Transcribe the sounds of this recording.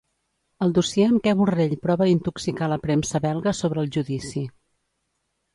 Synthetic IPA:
əlˠd̪usjɛəmkɛβureʎpɾɔβəd̪int̪uksikaləpɾɛmsəβɛlˠɣəsoβɾəːlˠʒuðisi

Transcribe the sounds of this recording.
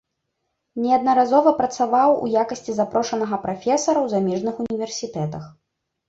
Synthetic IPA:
nʲɛɐd̪nɐɾazɔvɐpɾɐt̪savawṵjakɐsʲt͡sʲizapɾɔʂɐnɐɣɐpɾafʲɛsɐɾɐwzamʲɛʐnɨxunʲivʲɛrsʲit̪ɛt̪ɐx

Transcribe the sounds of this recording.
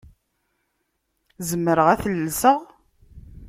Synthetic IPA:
zəmːəɾəʁæθəlːsəʁ

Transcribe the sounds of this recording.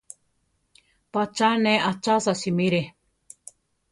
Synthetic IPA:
pat͡ʃanẽat͡ʃasasimiɾe

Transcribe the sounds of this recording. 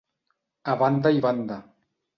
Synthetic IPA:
aβand̪aiβand̪a

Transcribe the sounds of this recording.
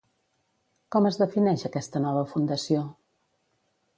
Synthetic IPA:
kɔməzðəfinɛʃəkɛst̪ənɔβ̞əfund̪əsio

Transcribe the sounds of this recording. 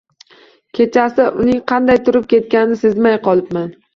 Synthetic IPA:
kʲʰe̞t͡ʃʰasɪʔʊnɪŋqʰɑnd̪ajt̪ʰʊɾɪp̚kʲe̞t̪̚kʲannɪsɪzmajqɒlˠɪpman

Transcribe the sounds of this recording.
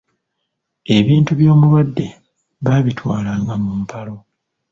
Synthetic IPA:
e̞βiːntuβjo̞ːmulwadːe̞ | βaːβitwaːlaːŋɡamuːmpʰalo̞

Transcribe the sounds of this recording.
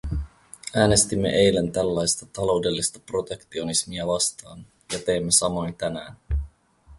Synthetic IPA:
æːne̞st̪imːe̞̰ʔe̞jlent̪ælːɑjst̪ɑt̪ɑlo̞wde̞lːist̪ɑpro̞t̪e̞kt̪io̞nismiæʋɑst̪ɑːn | jɑt̪e̞ːmːesɑmo̞jnt̪ænæːn

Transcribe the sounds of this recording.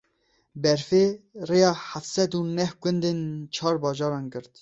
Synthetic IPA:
bɛɾfeːrejɑːħaft̪sɛd̪uːnɛhɡʷɨnd̪ent͡ʃʰɑːɾbɑːʒɑːɾɑːnɡɨɾt̪

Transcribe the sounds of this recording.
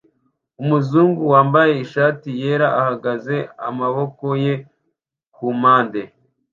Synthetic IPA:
umuzuːŋɡuwaːmbaje̞iʃaːtije̞ːɾaʔahaɡaze̞a̰maβo̞ko̞je̞ | kumaːnde

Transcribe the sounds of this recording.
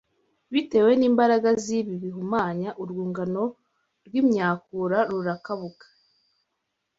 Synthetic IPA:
βite̞ːwe̞niːmbaɾaɡaziβiβiɦumaːɲaʔuɾɡuːŋɡano̞ | ɾɡwimɲaːkuɾaɾuɾakaβukḁ

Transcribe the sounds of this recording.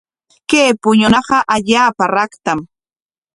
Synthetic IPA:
keːpʊɲʊnɑɢɑʔaʎaːpaɾɑkt̪am

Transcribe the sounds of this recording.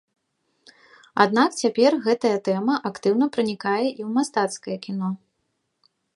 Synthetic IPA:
a̰d̪̚nakt͡sʲapʲɛrɣɛt̪ɐjɐt̪ɛmɐʔakt̪ɨwnɐpɾɨnʲikajɛʔiwmast̪at̪skɐjɐkʲin̪ɔ

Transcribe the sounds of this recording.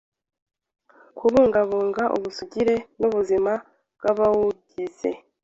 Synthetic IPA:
kʰuβuːŋɡaβuːŋɡaʔṵβusuɟiɾe̞nuβuzima | bɡaβawuɟise̞̰

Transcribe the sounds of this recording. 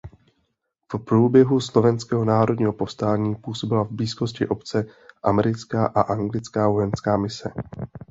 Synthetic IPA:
fpɾuːbjɛɦuslo̞vɛnskɛːɦo̞naːɾodɲiːɦo̞po̞fst̪aːɲiːpuːso̞bɪlavbliːsko̞scɪʔo̞pt͡sɛʔamɛɾɪt͡skaːʔaʔaŋɡlɪt͡skaːvo̞jɛnskaːmɪsɛ̰

